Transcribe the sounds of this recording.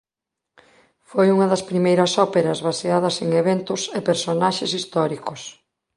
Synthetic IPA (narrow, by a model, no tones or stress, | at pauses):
fojuŋɐðɐspɾimejɾɐsɔpeɾɐzβaseaðɐseŋeβent̪ʊsepeɾsonaʃesist̪ɔɾikʊs